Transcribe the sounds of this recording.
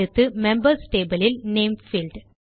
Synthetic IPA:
ɯt̪ːɯmɛmbɐɾsʈeːbɐlɪlneːmfiːlɖ

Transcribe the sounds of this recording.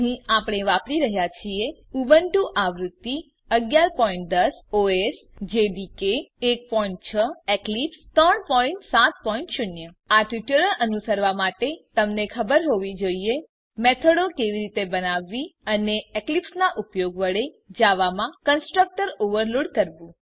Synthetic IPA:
ɦĩapɽ̃eʋapɽiɾəɦjat͡ʃʰieuʋəɳʈũʔaʋɾut̪ːi | əɡjaɾpɔĩɳʈ̚d̪əsoes | d͡ʒeɖ̪ikeːk̚pɔiɳʈ̚t͡ʃʰəeklipst̪ɾəɳpɔiɳʈsat̪̚pɔiɳʈʃʊnjə | aʈiʈələɭʔənusəɾʋamaʈet̪əmnekʰəbəɾɦoʋid͡ʒoie | met̪ʰəɽokeʋiɾit̪ebənaʋːiəneeklipsnaʔupjoɡʋəɽe | d͡ʒaʋamãkənsʈɾək̚ʈəɾoʋəɾloɽkəɾʋũ

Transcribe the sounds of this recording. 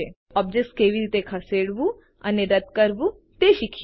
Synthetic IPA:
e | ɔːb̚d͡ʒek̚skeʋiɾiːt̪ekʰɐseːɽbu | ɐ̰neɾɐt̪kɐɾbu | t̪eʃikʰ

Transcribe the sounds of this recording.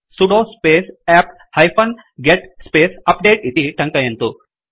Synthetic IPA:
suɽoːspeːsaːp | hɐjpʰɐn | ɡeʈspeːsɐp̚ɖeːʈid̪iʈɐŋkɐjɐnt̪u

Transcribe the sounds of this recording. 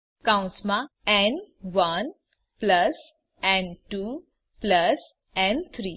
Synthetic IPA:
kãw̃nsmãɛnʋən | pləs | ɛ̃ɳɖʈu | pləs | ɛ̃nt̪ʰɾiː

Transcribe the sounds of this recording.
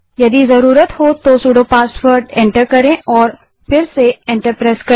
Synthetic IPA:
jɐd̪izɐɾuːɾət̪ɦoːt̪osuːɖopaːsʈwəɾɖɛ̃ɳʈəɾkɐɾẽʔɔːɾ | pɪɾseẽːɳʈəɾpɾaːskɐ

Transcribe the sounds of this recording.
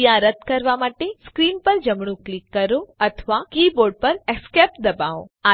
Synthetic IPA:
jãɾət̪ʰkəɾʋamaːʈeskɾiːnpəɾd͡ʒɐmɳ̃ũklikːəɾoɐt̪ʰʋakiːboːɾɖ̚pəɾeskep̚d̪ɐbaõa

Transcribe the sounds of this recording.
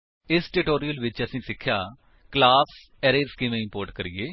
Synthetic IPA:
ɪsʈeːʈoːɾijəlʋɪt͡ʃəsĩːsɪkʰːjaː | klaːss | ɛːɾeːɾskɪmẽːɪ̃mpoːɾʈkəɾieː

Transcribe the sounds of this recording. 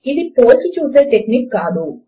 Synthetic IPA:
id̪ipoːt͡ʃit͡ʃuːseːʈeknikːaːd̪u

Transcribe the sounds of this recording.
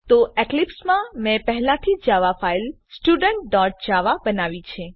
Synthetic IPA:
t̪oeklipsmãmɛ̃pəɦɛlãt̪ʰid͡ʒaʋafail | sʈuɖəɳʈ̚ɖɔʈ̚d͡ʒaʋabənaʋit͡ʃʰe

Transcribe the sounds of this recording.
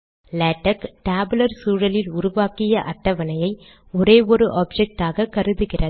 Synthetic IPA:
lɐːʈːɐkʈaːblɐɾsuːɻɐlɪlʊɾʊʋaːkɪjɐʔɐʈːɐʋɐnɐjɐɪ | ɔɾeːɔɾɯʔaːb̚d͡ʒɛk̚ʈaːɣɐkɐɾɯðɯɣɪrɐ

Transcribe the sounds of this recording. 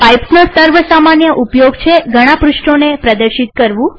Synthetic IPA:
pajpsnusəɾʋəsamanjəʔupjoɡt͡ʃʰeɡʱəɽ̃ãpɾʊʃʈonepɾəd̪əɾʃit̪̚kəɾʋũ

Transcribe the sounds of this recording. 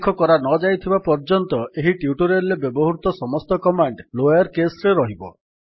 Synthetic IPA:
kʰɔkɔɾanɔd͡ʒajt̪ʰibapɔɾd͡ʒɔnt̪ɔʔeɦiʈiuʈuɾelebɔbɔɦuɾut̪ɔsɔmɔst̪ɔkɔmaɳɖlojaɾkesɾeɾɔɦibɔ

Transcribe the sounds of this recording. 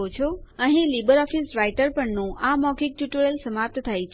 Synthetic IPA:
ot͡ʃʰoəɦĩlibəɾɔfisɾajʈəɾpəɳnũʔamɔkik̚ʈuʈoɭelsəmap̚t̪t̪ʰajt͡ʃʰ

